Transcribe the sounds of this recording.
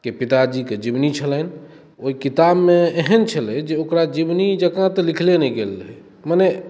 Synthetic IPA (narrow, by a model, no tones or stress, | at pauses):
kepit̪ad͡ʒiked͡ʒibnit͡ʃʰələn | oikit̪abmeeɦənt͡ʃʰəled͡ʒeokɾad͡ʒibnid͡ʒəkãt̪likʰlenɛiɡelːɦ | manɛ